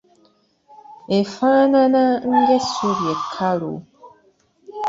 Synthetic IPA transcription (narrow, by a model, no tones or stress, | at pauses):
efãnãnãŋ̩ɡɛsoɾiɛkʰaɾo̰